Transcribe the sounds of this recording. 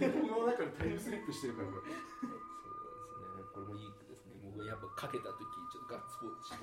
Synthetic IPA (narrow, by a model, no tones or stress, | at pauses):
okɯmonakaɾat̪ʰajɯsɨɾʲipːɯɕi̥t̪e̞ɾebaoso̰ːd̪esɨneekoɾemoikɯd̪esɨnemoːɡjapːakʰake̞t̪at̪o̞kʲit͡ɕot̪ːoɡasɨ̥pot͡ɕ